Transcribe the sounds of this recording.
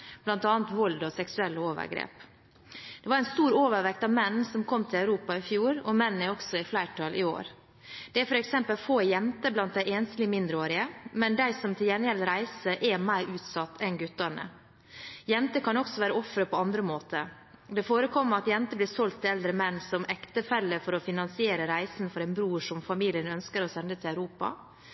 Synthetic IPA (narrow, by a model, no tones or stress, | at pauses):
b̥lɑnt̪ɑːnt̪ʋɔld̪ɔsɛksʉɛlːəoːʋə̰ɾɡɾḛːp | d̪̥ɛʋɑɾæɪnst̪uːɾoːʋəɾʋɛkt̪ɑʋmɛnn̩sɔmkʰɔmt̪ʰɪlæʉɾuːpɑɪfjuːɾɔmɛnːn̩ɛɾɔksɔɪflæɪʈʰɑlʔɪo̰ːɾ | d̪̥ɛæfɔɾɛksɛmpəlfoːjɛmt̪əblɑnt̪̚d̪æɪeːnst̪lɪmɪnd̪ɾəoːɾɪəmɛnd̪æɪsɔmt̪ʰɪljɛnəɾɛlɾæɪsəʔɛmæɪɾʔʉːt̪sɑt̪ːɛnɡʉt̪ːəɳə̰ | jɛnt̪əkʰɑnɔksɔʋæːɾəɔfɾəpʰɔɑnd̪ɾəmoːt̪ə | d̪ɛfoːɾəkʰɔmːəɾɑt̪jɛnt̪əblɪːsɔlt̪ʰːɪlɛld̪ɾəmɛnːsɔmɛkt̪əfɛlːəfɔɾɔfɪnɑnsɪeːɾəɾæɪsn̩fɔɾæɪnbɾuːʂɔmfɑmiːlɪənœnskəɾɔsɛnd̪ət̪ʰɪlæʉɾuːpɑ̰